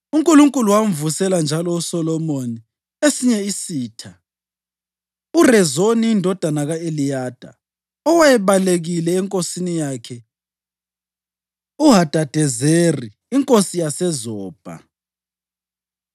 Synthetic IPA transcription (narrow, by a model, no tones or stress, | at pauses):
uŋkʼuluŋkʼuluwauɱvusɛland͡ʒʱalɔusɔlɔmoni | esiɲɛisiːtʰa | urɛzoniːndʱɔd̥ʱanaɣaelijaːd̥ʱa̰ | ɔwajɛβaleɣilɛːŋkʼosinijaːkʰɛ | uɦad̥ʱad̥ʱɛzeriːŋkʼosijasɛzɔːb̥ʱa̰